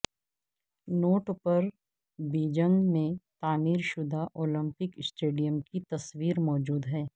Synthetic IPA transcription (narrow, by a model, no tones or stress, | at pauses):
noːʈpɐɾ | biːd͡ʒə̃ŋɡmẽt̪aːniːɾʃʊd̪ʱaʔoːlə̃mpɪksʈeːɖijəmkit̪ɐswiːɾmɔːd͡ʒuːd̪ɦɛː